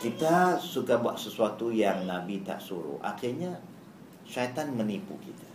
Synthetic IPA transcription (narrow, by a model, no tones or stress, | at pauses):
kit̪asukabua̰ʔsəsuat̪ujaŋnabit̪a̰ʔsuɾṵʔa̰kirɲa | ʃat̪anmənipṵkit̪ḁ